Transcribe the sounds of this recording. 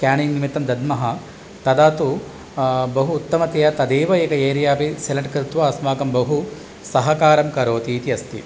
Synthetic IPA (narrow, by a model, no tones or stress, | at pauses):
kaːninnimit̪ːɐmd̪ɐd̪mɐɦɐ | t̪ɐd̪aːt̪u | bɐɦuːt̪ːɐmɐt̪ejɐt̪ɐd̪eːʋɐeːkɐeːɾijaːpeselɐɳʈkɾɪt̪ʋɐːsmaːkɐmbɐɦu | sɐɦɐkaːɾɐmkɐɾoːt̪iːt̪iɐst̪ḭ